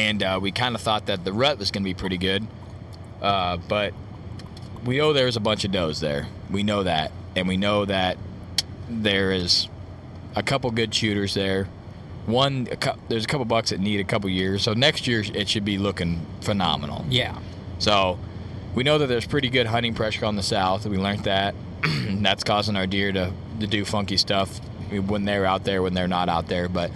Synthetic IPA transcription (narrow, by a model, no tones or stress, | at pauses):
ɨ̃nʌwikʰãɪ̃ndəθɔt̪̚ðɨt̪̚ðɨɹʌt̚wʌzɡʌnɨbipʰɹ̥ɪɾiɡʊd̚ | ʔʌb̥ʌt̚ | winoʊðə˞ɨzəbʌ̃nt͡ʃʌvdoʊzðə̰˞ | winoʊðæ̰ɾ̚ɨ̃nwinoʊðɨt̪̚ | ðə˞ɪz | əkʰʌpl̩ˠɡʊd̚ʃʉɾə˞zðə˞ | wʌ̃nɨ̰kʰʌðə˞zəkʰʌpl̩ˠbʌksðɨtⁿniɾɨkʰʌpl̩ˠjɪɹz̥soʊnɛkst̚jɪɹɪtʃɨd̚bilʊkɪ̃ŋfənɑ̰mə̰nl̩ˠjæ | soʊ | winoʊðɨt̪̚ðə˞z̥pʰɹ̥ɪɾiɡʊd̚ɦʌ̃ɾ̃ɪ̃ŋpʰɹ̥ɛʃə˞ə̃nðəsaʊθwilɜ̃˞nðɨt̚ | ðætskʰɔzɪ̃ŋa˞dɪɹɾɨ | tɨdɨfʌ̃ŋkistʌf | wə̃nðəɪə˞aʊt̪̚ðə˞wə̃nðə˞nəɾaʊt̪̚ðə˞bʌt̚